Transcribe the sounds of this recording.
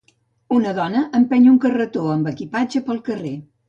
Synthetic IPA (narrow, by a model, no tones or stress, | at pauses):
unəðɔnəʔəmpɛɲuŋkərət̪oəmbəkipad͡ʒəpəlˠkəre